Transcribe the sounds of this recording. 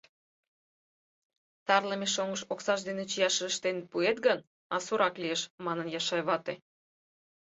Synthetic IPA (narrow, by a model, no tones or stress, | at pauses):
t̪ɑrləmeʃ̬oŋəʃoksɑʃd̪enet͡ɕijɑʃəəʃt̪enpuet̪̚ɡən | ɑsuɾɑklieʃmɑnənjɑʃɑjβɑt̪e